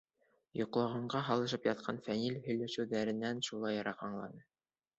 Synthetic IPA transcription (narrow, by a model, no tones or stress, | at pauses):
jŏqlˠɑʁɑɴɢɑɦɑlˠɤ̆ʃ̬ɤpjɑt̪̚qʰɑnfænilhɵ̆jlæʃɘ̆wðæɾɘ̆nːænʃulˠɑjɑɾɑqɑɴlˠɑ̰nɤ